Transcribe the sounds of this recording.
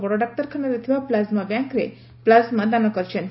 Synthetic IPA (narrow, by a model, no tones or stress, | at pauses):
ʋɔɽoɖak̚ʈəɾkʰənəɾet̪ʰiʋaplazmãbjãŋkɾe | plazmãd̪anokəɾt͡ʃʰen